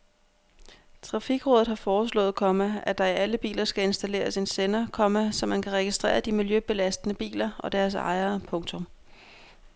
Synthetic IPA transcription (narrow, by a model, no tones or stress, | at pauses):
t͡sʰʁɑ̈fiɡ̥ʁɔ̽ðð̩ˠhɑ̈fɒːs̬lɔ̰̽ːð̩ˠkʰɒ̽mææd̥ɑ̈iæləb̥ḭːlɐsɡ̥æe̝nsd̥æle̝̰ːɐse̝nsenɐkʰɒ̽mæsɒ̽mːænkʰæʁɛɡ̥isd̥ʁɛ̰ːɐd̥imiljøb̥e̝læsd̥ənəb̥ḭːlɐɒ̽d̥æɐs̬ɑ̰̈ɪɐːpʰɔ̽ŋt͡sʰɔ̽m